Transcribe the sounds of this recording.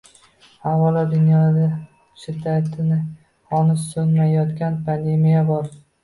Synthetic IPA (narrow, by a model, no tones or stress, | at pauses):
havɒlad̪ʊnjɒld̪a | t͡ʃɪd̪at̪ʰɪnɪ | hɒnɪsɵnmajɒt̪kʲanpʰand̪e̞mijabɒɾ